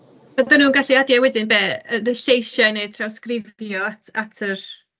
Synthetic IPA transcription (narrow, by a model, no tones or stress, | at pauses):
bɔdanuːnɡaɬiadjawɛdɪnbɛːərɪɬejʃanej̚tʰrawskrɪðjɔatʰatʰər